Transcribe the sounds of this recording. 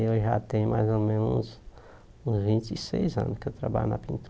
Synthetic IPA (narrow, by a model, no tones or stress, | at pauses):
ewʒat̪ẽj̃ʊmajzomẽnʊs | ũzvĩt͡ʃ̪ɪsḛjzɐ̰̃nʊskewt̪ɾabaʎʊnɐpĩnt̪u